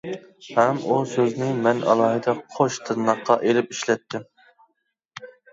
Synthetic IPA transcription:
hɛmusøznɪmɛnʔɑ̰lˠɑːɦɨd̪ɛqʰoʃt̪ʰɨɾnːɑqːɑʔelɪpiʃlɛt̪ʰːɪm

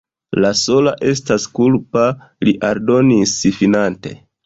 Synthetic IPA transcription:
laso̞laʔe̞s̬taskulpa | liʔaɾdo̞nisifinante̞̰

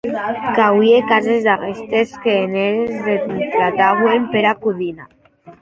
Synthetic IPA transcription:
kawiekazezd̪arest̪eskeːneɾezðet̪ɾat̪aɣwempeɾakuðina

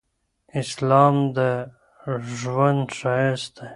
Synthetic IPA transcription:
ɪslɑmd̪ə | ʒwand̪ʃɑjast̪̚e

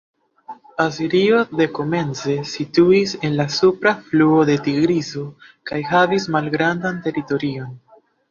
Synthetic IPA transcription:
asiɾio̞de̞ko̞mẽ̞nze̞situise̞nlasupɾafluo̞de̞tiɡɾizokajɦavismalɡɾandante̞ɾito̞ɾio̞n

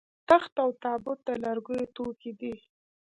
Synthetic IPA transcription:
t̪axt̪awt̪ɑbʊt̪̚d̪alaɾɡujet̪oked̪i

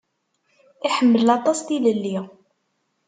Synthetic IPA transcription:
iħəmːəllɑt̪ˤɑst̪iləlːi

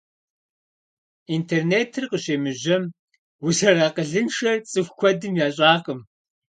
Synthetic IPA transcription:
iːntʰeːrneːtʰɨrqəɕeːmɨʑɐm | wʊsɐraːqəɮɨnʂɐrt͡sʼɨxʷxʷɔdɨmjaːɕʼaːqəm

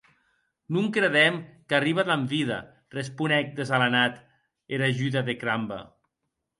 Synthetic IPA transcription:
nuŋkɾeðɛmkariβad̪aɱviða̰ | respunɛk̚d̪ezalanat̪ | eɾaʒyðaðekɾamba̰

